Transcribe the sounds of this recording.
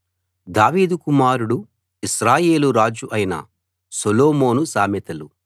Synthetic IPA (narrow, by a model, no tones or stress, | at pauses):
d̪aːʋiːd̪ukumaːɾuɽu | isɾaːje̞ːluɾaːd͡ʒuʔɐjnɐ̰ | soloːmo̞ːnusaːmɛt̪ɐlu